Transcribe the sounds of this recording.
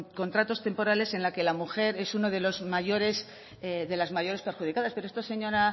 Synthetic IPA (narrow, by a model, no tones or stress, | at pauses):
ko̞nt̪ɾat̪o̞st̪e̞mpo̞ɾale̞se̞nlake̞lamuxe̞ɾe̞suno̞ð̞e̞lo̞zmaʝo̞ɾe̞s | ðe̞lazmaʝo̞ɾe̞spe̞ɾxuð̞ikaðaspe̞ɾoest̪ose̞ɲo̞ɾa